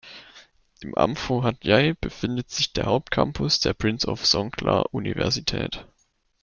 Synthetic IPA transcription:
ɪmʔa̰mfoɦatjaɪb̥əfɪndətz̥ɪçd̥eːɐhaʊp̚t̚kʰampʰʊsd̥eːɐpʁ̥ɪnsɔfsɔŋkʰla̰ʔunivɛɐzitʰɛ̰ːt

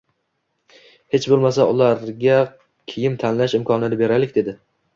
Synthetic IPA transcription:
he̞t͡ʃbolˠmasaʊlˠaɾɡʲa | kʲʰejɪmt̪ʰanlaʃɪmkʰɒnɪnɪbe̞ɾalɪkʲd̪e̞d̪ɪ

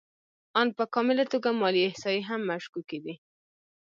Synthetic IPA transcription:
ɑn̚pəkɑmɪlat̪oɡamɑliɪhsɑjiɦamːaʃkuked̪i

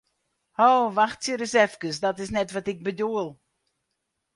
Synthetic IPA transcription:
howvaxtsjəɾəsɛfkəsdɔtɪsnɛtvatɪk̚bədoəlˠ

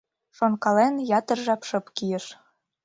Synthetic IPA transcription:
ʃonkɑlenjɑt̪ə̆rʒɑpʃɤ̆pkijə̆ʃ

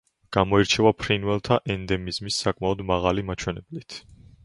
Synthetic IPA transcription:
ɡ̥amɔiɾt͡ʃʰɛvapʰɾinwɛlˠt̪ʰaʔɛnd̪ɛmizmisːakʼmaɔd̪maʁalimat͡ʃʰwɛnɛblit̪ʰ

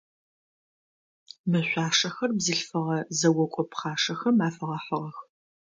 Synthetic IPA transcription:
mɨɕʷɑːʂɐxɐrbzɨɬfɐʁɐzɐwɔkʷʼɔpχaːʂɐxɐmaːfɐʁɐħəʁɐx

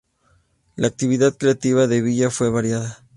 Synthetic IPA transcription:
laːk̚t̪iβiðaðkɾe̞at̪iβaðe̞βiʝafwe̞βaɾjaða

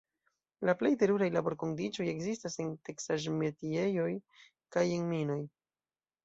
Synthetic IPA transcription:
laple̞jte̞ɾuɾajlabo̞ɾko̞ndit͡ʃo̞je̞kzistase̞nte̞ksaʒmetie̞jo̞j | kajeŋmino̞j

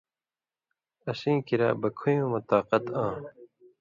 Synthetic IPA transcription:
ɐɕĩːkiɾa̰ːbɐkʰujũːmɐt̪aːqɐt̪ãː

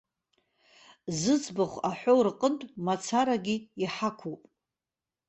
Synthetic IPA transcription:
zɨt͡sʰʼbɨχʷaħʷorqʼəntʼmat͡sʰaɾaɡʲiiħakʷʰupʼ

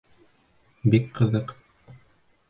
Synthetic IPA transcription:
bikqɤ̆ðɤq

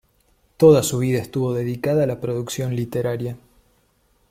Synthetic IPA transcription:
t̪o̞ðasuβ̞iðaest̪uβo̞ðe̞ðikaðaːlapɾoðuksjo̞nlit̪eɾaɾja

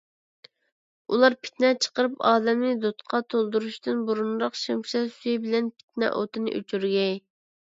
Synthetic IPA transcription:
ulˠɑɾpʰɪ̥t̪nɛt͡ʃʰə̥qəɾɨpɑːd̪ɛmnɪd̪ot̪qʰɑt̪ʰolˠd̪uɾuʃt̪ɨnbuɾunɾɑqʃimʃɛsyjbɪlɛnpʰɪ̥t̪̚nɛ̰ʔo̰t̪ʰɨnɨ̰ʔy̰t͡ʃʰyɾɡʲɛj

